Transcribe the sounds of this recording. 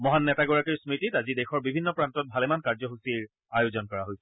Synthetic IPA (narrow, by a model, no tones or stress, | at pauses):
mɔɦanːɛtaɡɔɹakiɹsmititazidexɔɹbibʱinːɔpɹantɔt̚bʱalɛmankaɹzɔɦusiɹ | ajozɔnkɔɹaɦojsɛ